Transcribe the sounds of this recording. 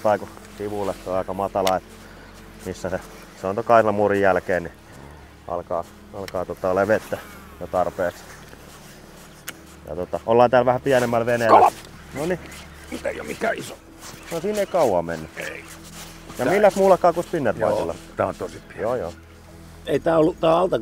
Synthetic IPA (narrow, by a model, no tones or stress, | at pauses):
t̪ɑiku | siʋulːesːoɑˑikɑmɑt̪ɑlɑet̪ː | misːæse | seont̪okɑislɑmurijælkeːnni | ʔɑ̰lkɑː | ɑlkɑːt̪ot̪ːɑoleʋet̪ːæ | jot̪ɑrpeːks | jɑ̰t̪ot̪ɑʔolːɑːnt̪æːlʋæhæpiænemːælʋenel | noni | mit̪eijo̰mikæːiso | ʋɑnsiːneikɑuwɑmenːyei | jɑmilːæst̪muːlːɑkːɑːkuspinːerʋɑ̰isilːɑt̪æont̪osipjoːjo̰ː | eit̪æːolːut̪æːɑlt̪ɑ